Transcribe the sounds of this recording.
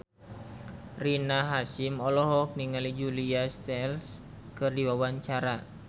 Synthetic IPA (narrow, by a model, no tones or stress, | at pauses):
rinaɦasimɔlɔɦɔk̚niŋalid͡ʒuliast̪ɛls | kɨrdiwawaɲt͡ʃaɾa